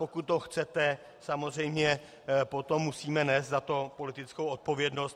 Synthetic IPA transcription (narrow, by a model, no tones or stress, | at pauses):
po̞kut̪̚ːoxt͡sɛt̪ɛ | samo̞zr̝ɛjmɲɛ | po̞t̪o̞mːusiːmɛnɛːst̪zat̪o̞po̞lɪt̪ɪt͡skowʔot̪̚po̞vjɛdno̞st̪